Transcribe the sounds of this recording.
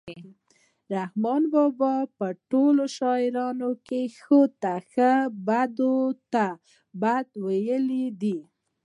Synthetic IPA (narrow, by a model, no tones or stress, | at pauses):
ɾahmɑnbɑbɑpəʈoloʃɑɪɾɑnokexot̪axəbad̪ot̪a | bad̪wajəlid̪i